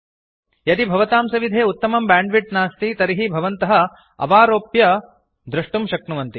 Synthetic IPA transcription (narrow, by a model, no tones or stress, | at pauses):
jɐd̪ibʱɐʋɐt̪aːmsɐʋid̪ʱeːut̪ːɐmɐmbaːɳɖʋiʈnaːst̪it̪ɐɾiɦibʱɐʋɐnt̪ɐɦɐ̆ | ɐ̰ʋaːɾoːpjɐ | d̪ɾɐʂʈumʃɐknuʋɐnt̪i